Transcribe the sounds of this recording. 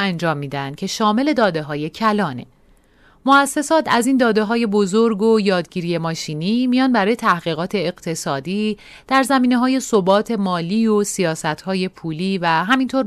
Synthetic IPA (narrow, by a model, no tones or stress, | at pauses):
ænd͡ʒɒːmːiːd̪ænd̪̥̚cʰe̞ʃɒːme̞le̞d̪ɒːd̪e̞ɦɒːje̞cʰælɒːne̞̰ | moæsːe̞sɒːt̪ʰæziːnd̪ɒːd̪e̞ɦɒːje̞bo̞zoɾɡojɒːd̪ɟiːɾije̞mɒːʃiːniːmijɒːnbæɾɒːje̞t̪ʰæhɣ̥iːɣɒːt̪ʰe̞ːɣt̪ʰe̞sɒːd̪iː | d̪̥æɾzæmiːne̞ɦɒːje̞so̞bɒːt̪ʰe̞mɒːliːo̞sijɒːsæt̪ʰhɒːje̞pʰuːliːvæɦæmint̪ʰoɾ